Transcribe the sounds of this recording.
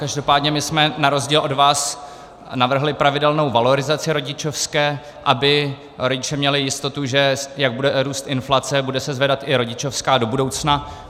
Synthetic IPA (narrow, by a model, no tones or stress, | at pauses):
kaʒdo̞paːdɲɛmɪsmɛnaɾo̞zɟiːlʔo̞dvaːs | navr̩ɦlɪpɾavɪdɛlno̞wvalo̞ɾɪzat͡sɪɾo̞ɟɪt͡ʃofskɛː | ʔabɪ | ɾo̞ɟɪt͡ʃɛmɲɛlɪjɪst̪o̞t̪uʒɛjaɡ̚budɛɾuːst̪ʔɪnflat͡sɛbudɛsɛzvɛdat̪ʔɪɾo̞ɟɪt͡ʃo̞fskaːdo̞budo̞wt͡sna